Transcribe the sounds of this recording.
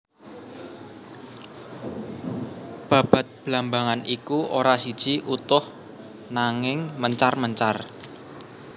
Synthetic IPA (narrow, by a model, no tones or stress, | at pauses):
b̥ä̤b̥a̤t̪̚b̥lambaŋanikuʔoɾasid̥ʒ̥i̤ʔut̪ʊh | naŋɪŋməɲt͡ʃarməɲt͡ʃar